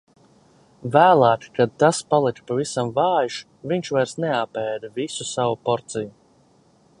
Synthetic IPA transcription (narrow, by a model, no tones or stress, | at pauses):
væːlˠaːkʲkad̪̚t̪aspalˠikpavisamvɑːjʃ | viɲʃvajɾsneapɛːd̪avisusavupɔɾt̪siju